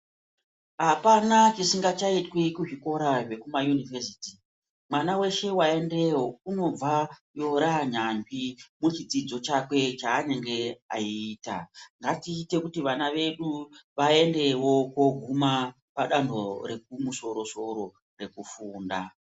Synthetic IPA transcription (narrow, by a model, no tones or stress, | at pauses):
ɦapanat͡ʃisiŋɡat͡ʃaitwikuʐiko̞ɾaʐe̞kumajunivesiːti | mwanawe̞ʃe̞wae̞nde̞wouno̞b͡vajo̞ɾaɲanʐimut͡ʃid͡zid͡zo̞t͡ʃakwe̞t͡ʃaːne̞ŋɡe̞a̰iiːta̰ŋɡatiːte̞kutiʋanaʋe̞ɗuʋae̞nde̞wo̞ko̞ɡʱuma | paɗando̞ɾe̞k̚umuso̞ɾo̞so̞ɾo̞ | re̞kufuːnda